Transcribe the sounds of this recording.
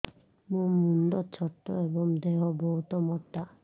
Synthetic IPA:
mumund̪ɔt͡ɕʰɔʈːɔebɔŋd̪eɦɔbɔɦut̪ɔmɔtːa

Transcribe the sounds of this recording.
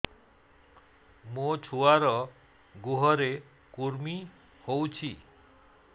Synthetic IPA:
mot͡ʃʰuaɾɔ | ɡuɦɔɾe | kuɾmi | howt͡ʃʰi

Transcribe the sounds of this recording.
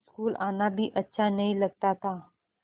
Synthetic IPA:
skuːlanabʱiːʔətːɕʰanəiləɡ̚t̪at̪a

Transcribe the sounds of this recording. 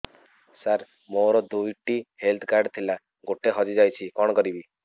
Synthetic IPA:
saɾ | moɾɔd̪ujʈihelt̪ʰkaɾɖt̪ʰila | ɡoʈeɦɔd͡ʒid͡ʒajt͡ʃʰikɔɽ̃ɔkɔɾibi

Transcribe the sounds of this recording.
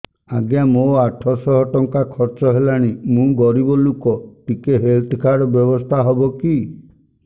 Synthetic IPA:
aɡjamoaʈʰɔsɔɦɔʈɔŋkakʰɔɾt͡ʃɔɦelaɽ̃imũɡɔɾibɔlukɔʈikeɦelʈʰkʰaɾɔbjɔbɔst̪ʰaɦɔbɔki

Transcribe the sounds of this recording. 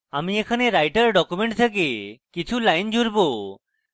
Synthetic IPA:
amiekʰaneɾajʈəɾɖɔkumeɳʈsʰək̬ekit͡ʃʰulajnd͡ʒuɾbo

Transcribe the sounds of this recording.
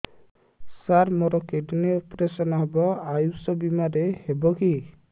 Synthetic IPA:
saɾmoɾɔkeɖineɔpɾesɔnɔɦebɔajusɔbimaɾehebɔki

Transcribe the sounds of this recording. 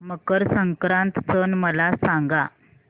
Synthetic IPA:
məkəɾsəŋkɾãnt̪sənməlasaŋɡa

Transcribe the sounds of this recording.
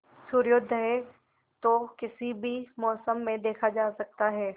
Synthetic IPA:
sʊɾjʊd̪ʱəɦɛ | t̪okɪsibʱimɔːsəmːẽd̪eːkʰad͡ʒaːsɐk̚t̪aɦɛː

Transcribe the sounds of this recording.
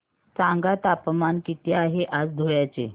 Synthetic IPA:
t͡sãŋɡat̪apmankit̪jaːɦeʔat͡sd̪ʱojat͡sḛ

